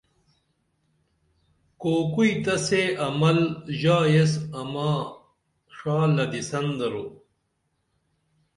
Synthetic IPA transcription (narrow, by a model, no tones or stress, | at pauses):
koːkujt̪ɐseɐmɐlʑaːjesɐmaː | ʂaːlɐd̪isɐnd̪ɐɾo